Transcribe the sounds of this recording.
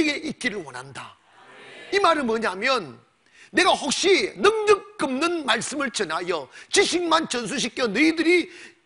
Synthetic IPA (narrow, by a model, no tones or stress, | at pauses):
iɡe̞ʔit̚k͈iɾɯɭwʌnɦanda̰ | imaɾɯmwʌɲamjʌnː | e̞ɡaɸok̚ɕ͈inɯŋdɯk̚k͈ɯmnɯnmaɭs͈ɯmɯɭt͡ɕʌnajʌt͡ɕiɕʰiŋmant͡ɕʌns̬ʰuɕ̬ʰik͈ʰjʌnɯidɯɾi